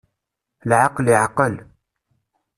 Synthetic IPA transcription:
lʕaqliʕqəl

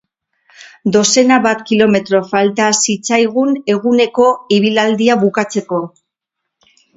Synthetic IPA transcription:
d̪o̞se̞naβat̪kilo̞me̞t̪ɾo̞falt̪asit͡sajɣ̞une̞ɣune̞ko̞iβ̞ilald̪iaβukat͡se̞ko̞

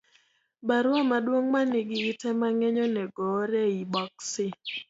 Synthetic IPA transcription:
baɾwamadwoŋmanɪɡɪːtɛmaŋɛɲɔnɛɡɔɾɛibɔksɪ

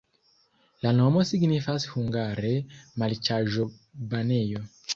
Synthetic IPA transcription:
lanomosiɡnifashuŋɡaɾemalt͡ʃaʒo | banejo

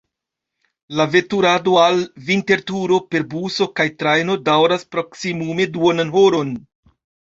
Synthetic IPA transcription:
lave̞tuɾado̞alvinte̞ɾtuɾo̞pe̞ɾbuso̞kajtɾajno̞dawɾaspɾo̞ksimume̞duonanɦoɾo̞n

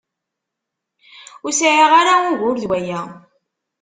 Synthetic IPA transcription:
ʊɾsʕiʁaɾaʊʝʊɾðwæjæ

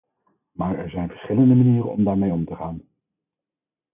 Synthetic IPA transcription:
maːɹɛɹzɛjnvəɹsχɪləndəmaniːrə̰nɔ̰mdaːɹmejɔmtəχaːn

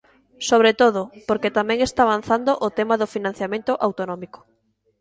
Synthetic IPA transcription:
soβ̞ɾet̪oðopoɾket̪amɛ̃ŋest̪aːβan̟θand̪oʔot̪emaðofinãn̟θjamẽnt̪oʔawt̪onɔmiko̥

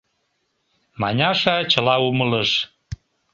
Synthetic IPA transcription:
mɑ̰nʲɑʃɑt͡ɕəlɑumələʃ

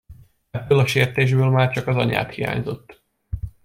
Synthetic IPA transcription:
ɛbːøːlɒʃeːrt̪eːʒbøːlmaːrt͡ʃɒkɒzɒɲa̰ːt̪hija̰ːɲzo̞t̪ː

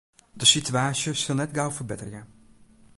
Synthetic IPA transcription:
dəsityaːsjəsɪlˠnɛtɡawfərbɪtərja

